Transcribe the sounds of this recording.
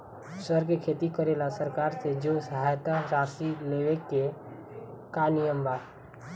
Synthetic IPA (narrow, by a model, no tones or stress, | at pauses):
səɾkekʰeːt̪ikəɾeːlasəɾkaːɾsed͡ʒoːsəɦaːjt̪aɾaːsineʋekːe | kanɪjəmbaː